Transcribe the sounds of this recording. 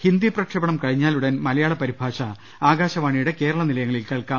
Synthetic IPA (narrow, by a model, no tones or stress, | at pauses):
hind̪iprɐkʂɐbɐɳɐmkɐɻiɲːaːluɽɐnmɐlɐjaːɭɐpɐɾibʱaːɕɐ | aːɡaːɕɐʋaːɳijuɽe̞ke̞ːɾɐɭɐnilɐjɐŋːɐɭilkɐɭkaː